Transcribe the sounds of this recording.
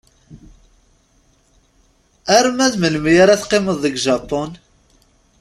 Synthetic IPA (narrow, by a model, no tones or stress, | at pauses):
æɾmæðməlmjaɾæθqːɪməðˤːəɡʒɑpʊn